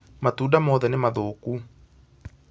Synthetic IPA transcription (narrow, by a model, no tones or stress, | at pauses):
mat̪uːdamɔðɛnemaðoːku